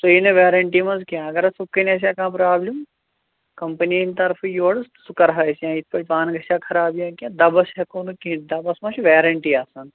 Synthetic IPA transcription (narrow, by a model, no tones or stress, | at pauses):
t̪oineʋeːɾɐɳʈimɐ̃zkijãːɐɡɐɾɐsukːɐnʲɐs̬ʲjaːkãːpɾaːblim | kɐmpɐnint̪ɐɾfʰjoɽsukɐɾɦɐjsjãːit̪ʰpɐɽʲpaːnɡʱɐsaːkʰɐɾaːbjãːkijãːd̪ɐbɐsɐkoːnukid̪ɐbɐsmɐ̃ʃʰiʋeːɾɐɳʈiaːsɐn